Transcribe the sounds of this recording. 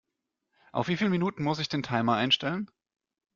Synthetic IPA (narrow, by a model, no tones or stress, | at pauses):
ʔaʊfv̥iːfiːlminuːtn̩mʊs̬ɪçd̥eːntʰaɪmɐʔaɪnʃtɛlən